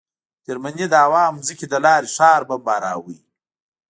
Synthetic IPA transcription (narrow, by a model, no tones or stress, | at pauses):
d͡ʒɪɾmanid̪əawɑːmzikʲid̪əlɑːɾiʂɑːɾbambɑːɾɑ̰ːwij